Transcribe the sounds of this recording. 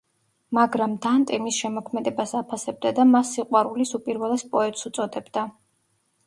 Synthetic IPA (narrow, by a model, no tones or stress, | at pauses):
maɡɾamd̪ant̪ʼɛmisʃɛmɔkʰmɛd̪ɛbasapʰasɛb̚d̪ad̪amasːiqʼwaɾulisupʼiɾvɛlˠɛspʼɔɛt̪ʼsut̪sʼɔd̪ɛbd̪a